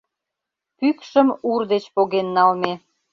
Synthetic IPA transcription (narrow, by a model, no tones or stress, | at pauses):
pykʃəmurd̪et͡ɕpoɣenːɑlme